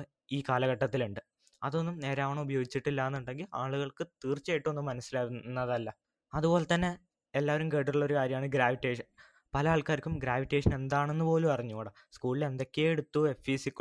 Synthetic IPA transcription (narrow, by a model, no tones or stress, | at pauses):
iːkaːlɐɣɐʈːɐt̪ːiluɳɖɨ | ɐðo̞nːumne̞ːɾaːʋɳɐubɐjo̞ːɡit͡ɕːiʈːilːaːenːuɳɖe̞ŋɡilaːɭuɣɐɭkɨt̪iːrt͡ɕːejiʈːonːɨmːɐnɐsːilaːɣunːɐðɐlːɐ | ɐðubo̞ːlet̪ɐnːe̞ | elːaːʋɐɾumkeɽuuɭːo̞ɾukaːɾjɐmaːɳɨɡɾaːʋiʈːe̞ːʂɐn | pɐlɐaːɭkaːɾkʲːumɡɾaːʋiʈːe̞ːʂɐne̞nd̪aːɳe̞nːɨpo̞ːlumpɐrɐɲːuoːɽɐ | skuːɭile̞nd̪o̞kʲːeeɽut̪ːue̞fiːsikː